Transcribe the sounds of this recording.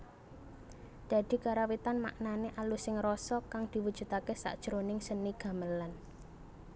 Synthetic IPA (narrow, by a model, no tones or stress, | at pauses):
d̪̥ä̤d̪̥i̤kaɾawit̪anma̰ʔnaneʔalusɪŋrɔsɔkaŋd̪̥i̤wud̥ʒ̥ṳt̪akesa̰ʔd̥ʒ̥ɾonɪŋsəniɡ̥a̤məlan